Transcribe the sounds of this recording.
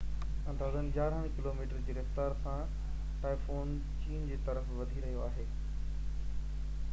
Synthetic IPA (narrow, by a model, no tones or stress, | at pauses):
ɐ̃nd̪aːzənɪ̆d͡ʑaːɾɦə̃ʋ̃kɪloːmiːʈəɾd͡ʑeːɾɐft̪aːɾsã | ʈaːifoːn | t͡ɕiːnd͡ʑeːt̪ɐɾəfʋɐd̪ʱiɾɐɦijoaːɦeː